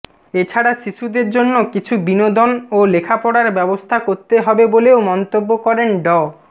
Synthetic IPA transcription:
et͡ɕʰaɽaʃiʃud̪eɾd͡ʑonːokit͡ɕʰubinod̪onolekʰapɔɽaɾbɛbost̪ʰakoɾt̪eɦɔbeboleomɔnt̪obːokɔɾenɖɔ

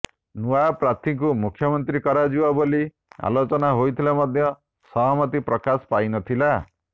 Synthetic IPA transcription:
nuapɾat̪ʰiŋkumukʰjɔmɔnt̪ɾikɔɾad͡ʒiwaboli | a̰lot͡ʃɔnaɦojt̪ʰilamɔd̪ʱjɔ | sɔɦɔmɔt̪ipɾɔkaspajnɔt̪ʰila

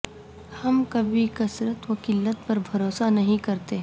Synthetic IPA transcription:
hɐmkɐbʱikɐsɾət̪ʋɐkɪlːət̪̚pɐɾbʱɐɾoːsanɐɦĩkɐɾt̪eɦɛ

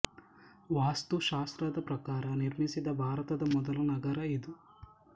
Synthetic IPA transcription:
ʋaːst̪uʃaːst̪ɾɐd̪ɐpɾɐkaːɾɐniɾmisid̪ɐbʱaːɾɐt̪ɐd̪ɐmɔd̪ɐlɐnɐɡɐɾɐid̪u

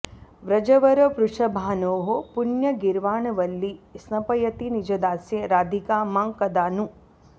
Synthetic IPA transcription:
ʋɾɐd͡ʒɐʋɐɾɐpɾuʂɐbʱaːnoːɦopunjɐɡiɾʋaːɳɐʋɐlːisnɐpɐjɐt̪inid͡ʒɐd̪aːsjeɾaːd̪ʱikaːmaːŋkɐd̪aːnu

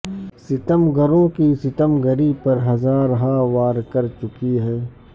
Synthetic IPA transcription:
sɪt̪əmɡəɾõkisɪt̪əmɡəɾipɐɾɦɐzãːɾɐɦaːʋaːɾkɐɾt͡ʃʊkiɦɛ̃ː

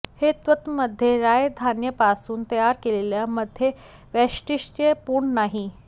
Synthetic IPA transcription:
het̪ʋət̪məd̪ʱːjeɾajd̪ʱanjəpasuːnt̪əjaɾkeleljaməd̪ʱje | ʋɛʂʈiʂepuːɳnaɦi

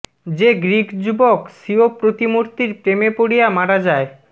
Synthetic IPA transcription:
d͡ʑeɡɾikd͡ʑubokʃiopɾot̪imoɾt̪iɾpɾemepoɽijamaɽad͡ʑae

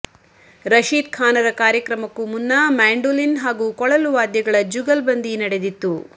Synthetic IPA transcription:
ɾɐʃiːt̪̚kʰaːnɐɾɐkaːɾjɐkɾɐmɐkːumunːɐmaːɳɖulinɦaːɡukɔɭɐluʋaːd̪jɐɡɐɭɐd͡ʒuɡɐlbɐnd̪inɐɽe̞d̪it̪ːu

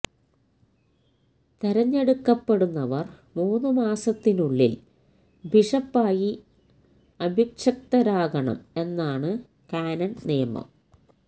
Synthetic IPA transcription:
t̪ɐɾɐɲːeɽukːɐpːe̞ɽunːɐʋɐr | muːnɨmaːsɐt̪ːinuɭːḭl | bʱiʂɐpːaːji | ɐbʱikʂɐk̚t̪ɐɾaːɡɐɳɐ̰me̞nːaːɳɨ | kaːnɐnniːɐmɐ̰m

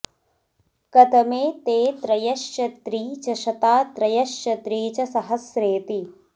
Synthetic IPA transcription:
kɐt̪ɐmeːt̪eːt̪ɾɐjɐʃjɐt̪ɾiːt͡ʃɐʃɐt̪aːt̪ɾɐjɐʃjɐt̪ɾiːt͡ʃɐsɐɦɐsɾeːt̪i

